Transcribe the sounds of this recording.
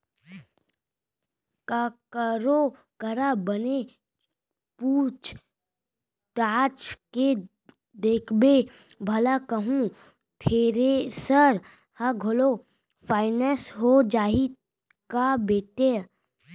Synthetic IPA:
kakəɾo | kəɾabəne | puːt͡ʃ | ʈaːt͡ʃke | d̪eːkʰbe | bʱɐlakəɦũ | t̪ʰeːɾesəɾ | həɡʱolo | fʰaːɪnesɦod͡ʒaːɦi | kabeːt̪e

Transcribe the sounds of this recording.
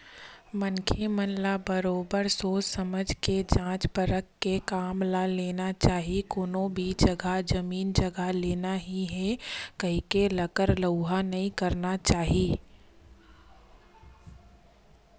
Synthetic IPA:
mə̃ŋkʰemənlabəɾoːbəɾsoːsɐməd͡ʒʱked͡ʒãːt͡ʃpəɾəkːekaːmlaleːnat͡ʃaːɦekoːnõbʱid͡ʒɐɡad͡ʒɐmiːnd͡ʒɐɡʱaleːnaɦiɦɛkɐɦikelɐkəɾləʊɦanɐɦĩkɐɾnat͡ʃaːɦiː

